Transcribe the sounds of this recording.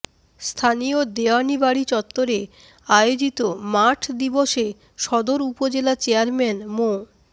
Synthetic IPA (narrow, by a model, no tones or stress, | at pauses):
st̪ʰaniod̪eanibaɽit͡ɕɔt̪ːoɾe | ajod͡ʑit̪omaʈʰd̪iboʃe | ʃɔd̪oɾupod͡ʑelat͡ɕeaɾmenmo